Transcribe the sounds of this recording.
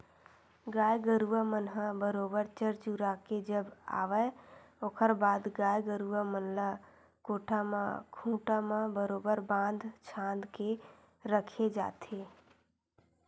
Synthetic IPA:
ɡaːjɡəɾuəmənɦəbəɾoːbəɾt͡ʃəɾt͡ʃuɾaked͡ʒəba̰ːʋəoːkʰəɾbaːd̪ɡaːjɡəɾuəmənla | koʈʰamãkʰũʈamãbəɾoːbəɾbãnd̪ʱt͡ʃʰãnd̪ke | ɾəkʰed͡ʒa̰ːt̪e

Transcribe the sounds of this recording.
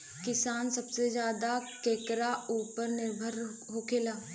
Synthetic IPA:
kɪsaːnsɐbsezjaːd̪akeːkɾauːpəɾnɪɾbʱəɾɦoːkʰeːlaː

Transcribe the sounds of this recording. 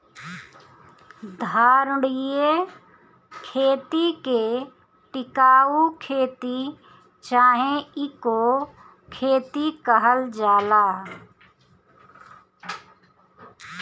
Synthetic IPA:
d̪ʱaːɾʊɽɪje | kʰeːt̪ike | ʈɪkaːukʰeːt̪i | t͡ʃaːɦẽɪko | kʰeːt̪ikəɦəld͡ʒaːlaː

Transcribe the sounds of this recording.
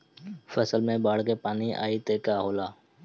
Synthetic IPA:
fʰəsəlmẽːbaːɽkeːpaːniʔa̰ːiːt̪eːkaːɦoːlaː

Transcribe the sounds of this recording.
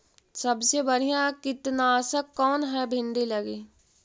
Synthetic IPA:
sɐbsebəɽ̤ijãkɪt̪nasəkːɔːnɦɛbʱɪ̃nɖ̪ilɐɡeː

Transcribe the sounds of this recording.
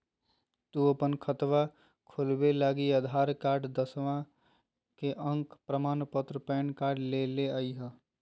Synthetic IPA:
t̪uəpənkʰət̪ʋa | kʰulbelaːɡiəd̪ʱaːɾkaːɾɖd̪əsʋã | keʔə̃ŋkpɾəmaːnpət̪ɾəpɛːnkaːɾɖleleəiɦə

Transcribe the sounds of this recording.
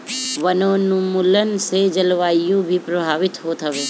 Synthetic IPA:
ʋɐnoːnumʊlənsed͡ʒɐlʋaːijõbʱipɾɐbʱaːʋɪt̪ɦoːt̪ʰɐʋeː

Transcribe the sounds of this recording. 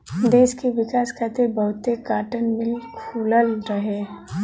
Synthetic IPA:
d̪eːʃkeʋɪkaːskʰaːt̪ebɐɦʊt̪ːekaːʈənmɪlkʰuːlalɾəɦeː

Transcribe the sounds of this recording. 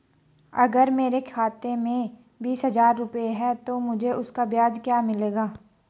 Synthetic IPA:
ɐɡəɾmeːɾekʰaːt̪emẽ | biːsɦɐzaːɾːʊpeɦɛt̪omʊd͡ʒʱeʔʊskabjaːd͡ʒkjaːmɪleːɡaː

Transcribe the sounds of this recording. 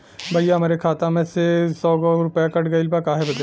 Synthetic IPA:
bʱɐjaɦɐmaːɾekʰaːt̪ãmẽsesɔːɡɔɾʊpjakɐʈɡɐɪlpakaːɦebɐk̪

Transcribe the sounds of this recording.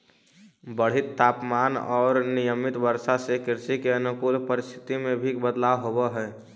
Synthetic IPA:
bəɽ̤ɪt̪ːʰaːpmaːnɔːɾnɪjəmɪt̪bəɾsasekɪɾsikeənʊkuːlpəɾɪst̪ʰɪ̥t̪imẽbʱibəd̪laʋɦobəɦɛː

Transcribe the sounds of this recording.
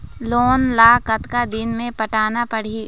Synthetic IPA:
loːnlaːkɐt̪kad̪ɪnmẽpɐʈaːnapɐɽ̤i

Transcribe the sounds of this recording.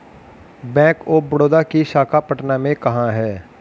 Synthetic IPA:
bɛ̃ːkoːbɐɽoːd̪akiʃaːkʰapɐʈnamẽkɐɦãɦɛː

